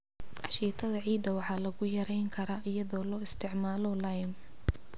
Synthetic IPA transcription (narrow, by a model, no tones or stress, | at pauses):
ʔɑʃiːt̪ʰɐðɐʕiːd̪ɐwɑħɑːlɐɣʊjɐɾɛjŋkʰɐɾɐʔɪjɐðɔːlɔːɪst̪ʰɪʕmaːlɔlɐjm